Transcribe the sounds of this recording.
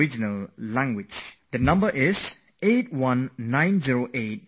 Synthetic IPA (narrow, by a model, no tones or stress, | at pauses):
id͡ʒinəllæ̃ŋɡwɪd͡ʒd̪ənʌ̃mbəʔɪs | et̚wʌ̃nːãj̃nziɹoʔet̚